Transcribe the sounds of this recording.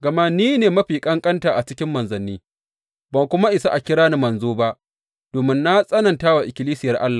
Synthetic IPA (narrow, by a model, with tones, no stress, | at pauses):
ɡɐ˨ma˦niː˦neː˨mɐ˦ɸiː˨kʼɐ˦ŋkʼɐ˦ntaː˨ʔa˨t͡ʃɪ˦kʲɪ˦mːɐ˨nzɐ˨nːiː˦ | ba˨kʷʊ˦ma˦ʔɪ˨sa˦ʔa˨kʲɪ˦ɾaː˦na˦mɐ˨nzoː˦ba˦ʔ | d̥oː˨mɪ˦nːa˦sʼɐ˦nɐ˨ntaː˦wa˨ʔɪ˨kʲɪ˨liː˦sɪ˦jɐ˨rʔa̰˦lːaː˨